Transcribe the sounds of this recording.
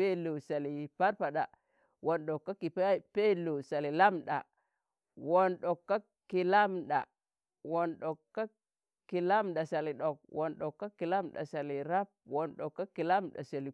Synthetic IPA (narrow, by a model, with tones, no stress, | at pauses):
e˦lo˨sa˨li˨pa˦ɾpa˨ɗa˨ | wo˨nɗo˨kːa˦ki˨ppe˦lo˨sa˨li˨la˦mɗa̰˨ | wo˨nɗo˨kːa˦ | kːi˨la˦mɗa̰˨ | wo˨nɗo˨kːa˦ | ki˨la˦mɗa˨sa˨li˨ɗo˨k̚wʔo˨nɗo˨kːa˦kːi˨la˦mɗa̰˨sa˨li˨ɾa˦p̚wo˨nɗo˨kːa˦kːi˨la˦mɗa̰˨sa˨li˨